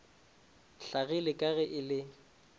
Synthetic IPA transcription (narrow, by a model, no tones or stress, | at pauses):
ɬaɣɪlɪkʼaɣɛʔɪlɪ